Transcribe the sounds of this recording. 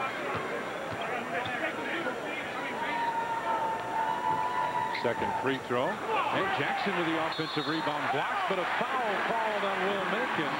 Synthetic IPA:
sɛkɨ̃nkʰɹiθɹoʊlˠɨ̃nd͡ʒæksɨ̃nwɨðiɑfɛ̃nsʌvɹibɑ̃nɡlæsb̥ʌɾəfaʊl̩ˠkʰɑlˠdə̃nwɪlˠmɪlˠkɨ̃n

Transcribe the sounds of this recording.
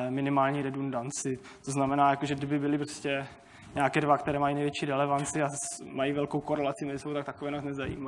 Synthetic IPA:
mɪnɪmaːlɲiːɾɛdundant͡sɪ | t̪oznamɛnaːjakoʒɛɡdɪbɪbɪlɪpɾoscɛ | ɲaːkɛːdvakt̪ɛɾɛːmajinɛjvjɛt͡ʃiːɾɛlɛvant͡sɪamajivɛlkowkoɾɛlat͡sɪmɛzɪsowt̪akt̪akovɛːnaznɛzajḭːma

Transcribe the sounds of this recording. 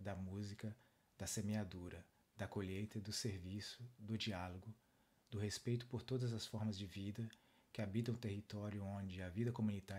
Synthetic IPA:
d̪ɐmuzikɐ | d̪̥ɐsemead̪uɾɐ | d̪ɐkoʎejt̪ɐd̪ʊseɾvisʊd̪ʊd͡ʒialoɡʊ | d̪ʊɦespejt̪ʊ̥poɾt̪od̪ɐzɐsfɔɾmɐzd͡ʒɪvid̪ɐ | kɪabit̪ɐ̃w̃t̪ehit̪ɔɾjʊõd͡ʒɪɐvid̪ɐkomũnit̪a

